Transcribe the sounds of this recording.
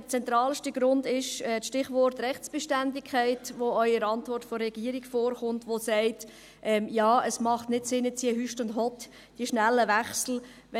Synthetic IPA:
ət͡sɛnt̪ɾɑːlʃtəɡɾʊndɪʃɛːʃtɪχʋɔrtrɛχtt͡sb̥eʃtændɪkʰæɪtʋoœʏəɾɑntvʋɔrtfɔɾːɛɡ̥iəɾiɡ̥foːɾχʊntʋosæɪt | ʔɛːmjɑːəsmɑχtnɪtsɪnət͡siəɦyʃtʊndɦɔt | d̥iəʃnælːəʋæχsl̩ʋɛ

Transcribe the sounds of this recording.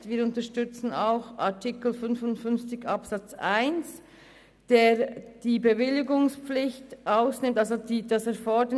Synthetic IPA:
tviːɐɾʊntəʃtʏt͡sn̩aʊxatʰikl̩fʏnfʊntfʏnft͡sɪçɑpsɑt͡sa̰ɪns | d̥eːɾd̥iːbəvɪlɪɡʊŋspp͡flɪçtʔaʊsnɪmtɑlzodiːdɑsɛɾfɔdə

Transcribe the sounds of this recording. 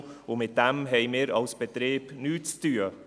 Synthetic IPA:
ʊmɪt̪̚d̪̥ɛmɦɛɪmiːɾɑlsb̥ɛt̪ɾeːb̥nyːt͡st̪yːə

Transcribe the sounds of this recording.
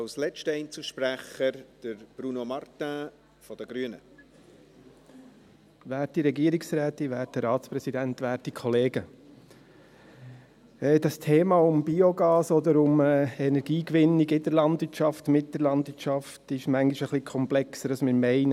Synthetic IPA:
ɑwslɛt͡ʃtəɛɪnt͡suʃpɾæχəɾd̥əɾb̥ɾunomɑɾtæ̃ | fɔd̥əɡɾyənə̰ | ʋæːɾtdiɾɛɡiːəɾiksɾæːt̪iʋæːɾtdəɾɑːt̪t͡spɾɛsidæntʋæːɾdikʰɔleːɡə | ɛːd̥ɑstʰeːmɑːʊmbioɡɑːsɔd̪əɾʊmɛɛnɛɾɡ̥iːkʋɪnːiɡɪdəɾlɑndʋɪɾtʃɑftmɪt̚d̥əɾlɑndʋɪɾtʃɑftɪʃmæŋɡiʃəχlikʰɔmplɛksədɑsmɪːɾmɛɪnə

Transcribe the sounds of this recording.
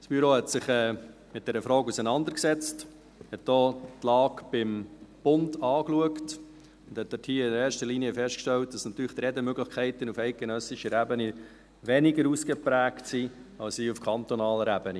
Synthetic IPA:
sb̥yɾoːhɛtsɪχɛː | mɪt̚d̥ɛɾəfɾɔːkusənɑnd̪əɾksɛt͡st | hɛtd̥oːtlɑːkb̥ɪmb̥ʊndɑːkluəkt | ʊnd̥̪hɛt̚d̥̪ɛthiːəɪnəɾɛːɾʃtəliːniəfɛʃtkʃtɛlt̚d̥ɑsnɑt̪yːɾləχt̪ɾɛdəmøɡləχkʰɛɪt̪ənufɛɪt̚ɡ̥enœsɪʃəɾæbəni | ʋɛniɡəɾuskəpɾæːktsi | ɑlsiufkʰɑnt̪ɔnɑːləɾæbəni

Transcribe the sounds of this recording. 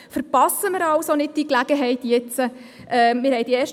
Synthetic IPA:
fəɾpɑsəmɪɾɑlsonɪd̚d̥iklæɡəɦɛɪtjɛt͡sə | ʔɛːmɪɾhɛɪd̥iɛːʃ

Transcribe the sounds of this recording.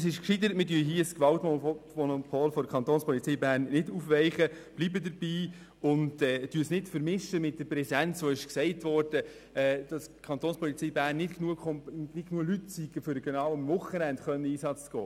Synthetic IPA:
əsɪʃkʃidəɾətmɪdyːɦiːskʋɑltmɔnopʰoːlfɔdəkʰɑnt̪oːnspʰɔlit͡sɛːbæːɾnːɪduːfʋɛɪχəb̥libədəɾbiː | ʊntɛːtyːsnɪtfəɾmɪʃəmɪt̚d̥əɾpɾɛsɛnt͡sːoːɪʃksɛɪtʋɔrd̥ə | ɛd̥ɑskʰɑnt̪oːnspʰɔlit͡siːbæːɾnːɪtknuəkɔmnɪknuːəlytsiɡ̥əfʏɾəɡ̥ɛnɑːwəmvʊχənændχœnːəiːsɑt͡st͡sɡ̥ɔ̰ː

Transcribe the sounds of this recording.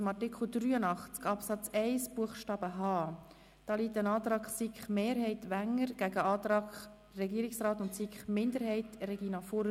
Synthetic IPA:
mɑtikʰl̩d̪ɾyːənɑχt͡skɑpsɑt͡sɛɪsb̥uəχʃtɑːbəɦɑː | d̪̥ɑːliːt̪ənɑːt̪ɾɑːkχsikχmeːɾɦɛɪtʋæŋəɾɡ̥æɡəɑːtɾɑːkχ | rɛɡiəɾɪksrɑːt̪ʊntsikχmɪnd̪əɾhɛɪtrɛɡinɑfʊɾ

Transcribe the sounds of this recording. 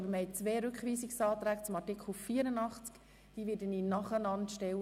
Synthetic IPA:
bəɾməhɛt͡sʋeːɾʉkχʋiːsiksɑːt̪ɾæːɡt͡sʊmɑtɪkʰχl̩fiːəɾənɑχt͡sk | d̥iːʋɪːdəninɑχənɑntʃtɛw

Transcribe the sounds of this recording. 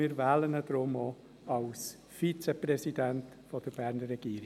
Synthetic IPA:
iːɾvæːlənəd̥ɾʊmo | ɑls | fit͡seprɛsidænt | fɔd̥əɾb̥æɾnəːɛɡ̥iːɾ

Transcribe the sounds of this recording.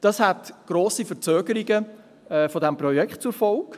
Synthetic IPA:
d̥ɑshætɡ̥ɾoːsifət͡søːɡ̥əɾiɡə | ɛːfɔdɛmprɔjɛkχtt͡sʊɾfɔlk

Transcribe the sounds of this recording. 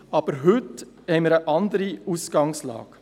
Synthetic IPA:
ɑːb̥əɾɦʏt̪ | hɛɪmiːɾəʔɑnd̪əɾiusɡ̥ɑŋslɑ̰ːɡ̥

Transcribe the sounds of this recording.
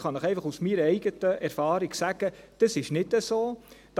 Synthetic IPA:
χɑnəχɛɪfɑχusmiːɾɛɪɡətəʔɛɾfɑːɾiɡsæɡ̥əd̥əsɪʃnɪdəsoːd̥

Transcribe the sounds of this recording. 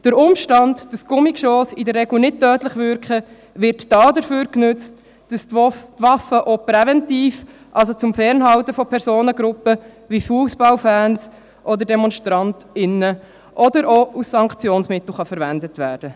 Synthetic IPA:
d̥əɾʊmʃtɑndd̥əskʊmɪkʃoːsidərːɛɡl̩nɪt̚tœːtləχʋʏɾkχə | ʋɪɾtːɑːdəɾføːɾknøt͡st | d̥ɑstʋɑfəʔopɾɛvɛntiːf | ʔɑls̬ot͡sʊmfɛɾnɦɑltəfɔpʰɛɾsoːnəɡɾʊpːə | ʋifuəsb̥ɑlfæːns | ʔɔd̪əɾdɛmɔnʃtɾɑntɪnə | ʔɔdəɾʔousːɑŋkt͡sjoːnsmɪt̪l̩ˠχɑfəɾʋændətʋæ̰ːɾd̥ə

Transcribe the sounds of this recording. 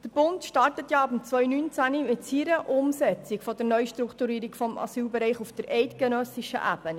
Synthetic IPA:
d̥əɾb̥ʊntʃtɑrtətjɑɑbm̩t͡sʋœʏnyːnt͡sænimɪtsiɾəʔʊmsɛt͡sɪkfɔdəɾnœʏʃtɾukt̪uɾiːɾikfɔmɑ̰syːlbɛɾɛɪχufd̥əɾɛɪtɡ̥enœsɪʃə̰ʔæb̥ən

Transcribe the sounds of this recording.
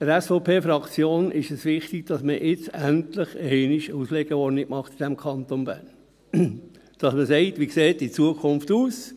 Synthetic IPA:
əɾɛsfɔʊpʰeːfɾɑkt͡sjoːnʔɪʃəsʋɪχtiɡ̥̚d̥ɑsməʔɪt͡sæntlɪχəɛːnɪʃusleɡ̥əɔɾnɪɡ̥mɑχt̪id̥ɛmkʰɑnt̪onbæ̰ːɾn | d̥ɑsməsɛɪtʋikseːtit͡suəkʰʊnftuːs

